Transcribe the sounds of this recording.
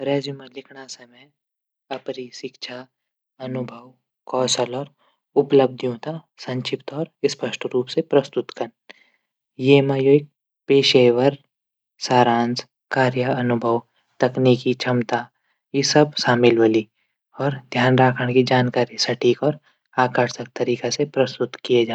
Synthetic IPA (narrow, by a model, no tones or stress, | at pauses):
ɾɛːd͡ʒumẽlɪkʰɽ̃asɐmɛj | ɐpɾisɪkʃʰa | ɐnʊbʱəw | kɔːsəlɔːɾ | ʊpləb̚d̪ʱjũt̪a | sɐ̃ɲt͡ʃʰɪpt̪ɔːɾɪspəʃʈɾuːpsepɾɐst̪ʊt̪kɐn | jemajoːɪk̚ | peːʃeːʋəɾ | saːɾãːns | kaːɾjəɐnʊbʱəw | t̪ɐkniːkit͡ʃʰɐmt̪a | jisɐbsaːmɪlʋəli | ɔːɾd̪ʱjaːnɾaːkʰəɽ̃kid͡ʒaːnkaːɾisɐʈʰiːkɔːɾ | aːkəɾsək̚t̪ɐɾiːkasepɾɐst̪ʊt̪kied͡ʒaː